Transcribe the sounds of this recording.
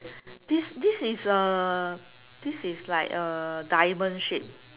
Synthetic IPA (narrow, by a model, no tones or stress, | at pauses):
d̥isdisisə | d̥isislaɪkədaɪmə̃nʃip̚